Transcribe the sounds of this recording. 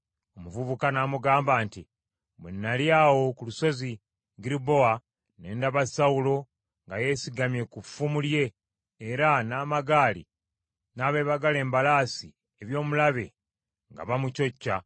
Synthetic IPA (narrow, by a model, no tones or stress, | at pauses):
o̞muvuβukanamuɡaːmbaːnti | munːaljaːwo̞kuluso̞zi | ɡiɾibo̞wa | ne̞ːndaβasawulo̞ | ŋɡaje̞siɡamje̞kufumulje̞ː | ɾanaːmaɡaːlḭ | naːβe̞ːβaɡale̞ːmbalaːsi | eβjo̞ːmulaβe̞̰ | ŋɡa̰βamuco̞cːa